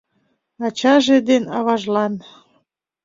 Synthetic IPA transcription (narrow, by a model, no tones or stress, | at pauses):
ɑt͡ɕɑʒed̪enɑβɑʒlɑn